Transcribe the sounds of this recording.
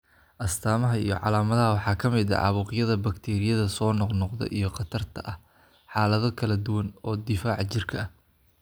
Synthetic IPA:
ʔɐst̪ʰaːmɐɦɐḭjɞ̰ʕɑ̰laːmɐðɐɦɐwɑħɑːkʰɐmɪðɐ̰ʕɑ̰βuːqɪjɐðɐbɐkt̪ʰɛːɾɪjɐðɐsɔːnɔqnɔqd̪ɛ̰ʔijɞqɑt̪ʰɐrt̪ʰɐʔɐh | ħɑːlɐðɔkʰɐlɐd̪ʊwɐnɔːd̪ɪfaːʕt͡ʃɪrkʰɐɐ

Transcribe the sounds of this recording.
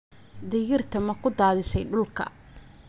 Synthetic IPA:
d̪ɪjɪrt̪ʰɐmɐkʰʊd̪aːðɪsɛjɖʊlkʰɐ̰

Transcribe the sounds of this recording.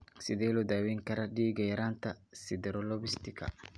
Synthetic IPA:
sɪd̪ɛːlɔd̪aːwɛːŋkɐɾɐɖiːɡɐjɐɾaːnt̪ʰɐsɪd̪ɛɾɔlɔbɪst̪ɪkʰɐ̰

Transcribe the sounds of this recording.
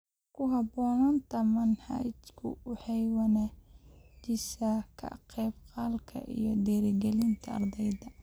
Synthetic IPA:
kʰʊɦɑbɔːnɐnt̪ʰɐmɐnhɑ̰jt͡ʃkʰʊ̰wʊħɑjwɐnaːt͡ʃɪsɐkʰɐ̰qɛːbqɑːlkʰɐ̰ʔḭjɔd̪ɛɾɪɡɛlɪnt̪ʰɐɐ̰rd̪ɛjðɐ

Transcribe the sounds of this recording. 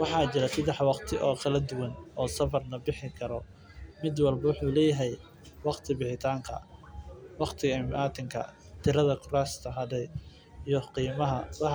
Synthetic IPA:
wɑħɑːt͡ʃɪɾɛsɐd̪ɛħwɑqt̪ʰɪʔɔːkʰɐlɐd̪ʊwɐnɔːsɐβɐrnɐbɪħɪkʰɐɾɔ | mɪd̪wɑlbɐwʊħuːlɛːjɐɦɛj | wɑqt̪ʰɪbɪħɪt̪ʰaːŋkʰɐ̰ | wɑqt̪ʰɪɣɐmʔaːt̪ʰɪŋkʰɐ̰ | t̪ʰɪɾɐðɐkʰʊɾaːst̪ʰɐɦɐðɛj | iːjɔqiːmɐɦɐwɑ

